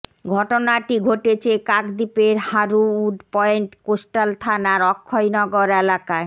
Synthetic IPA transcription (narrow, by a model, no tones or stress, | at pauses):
ɡʱɔʈonaʈiɡʱoʈet͡ɕʰekakd̪ipeɾhaɾuuɖpɔeɳʈkosʈalt̪ʰanaɾɔkʰːojnɔɡoɾelakae